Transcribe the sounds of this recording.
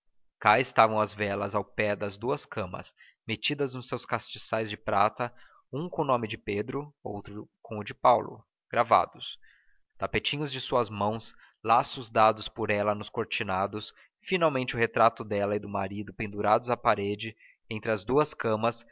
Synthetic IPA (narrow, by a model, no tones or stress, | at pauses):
kaɪst̪avɐ̃w̃ɐzvɛlɐzawpɛd̪ɐzd̪uɐskɐ̃mɐ̰s | met͡ʃid̪ɐznʊsːewskast͡ʃisajzd͡ʒɪpɾat̪ɐ | ũkõʊnõmɪd͡ʒɪped̪ɾʊo̰wt̪ɾʊkõw̃ʊd͡ʒɪpawlʊ̰ | ɡ̥ɾava̰d̪ʊs | t̪apet͡ʃĩɲʊzd͡ʒɪsuɐzmɐ̃w̃s | lasʊzd̪ad̪ʊspʊɾɛlɐnʊskoɾt͡ʃinad̪ʊs | finawmẽnt͡ʃɪʊhet̪ɾat̪ʊd̪ɛlɐɪd̪ʊmaɾid̪ʊpẽnd̪uɾad̪ʊzapaɾed͡ʒɪ | ẽnt̪ɾɪɐzd̪uɐskɐ̃mɐs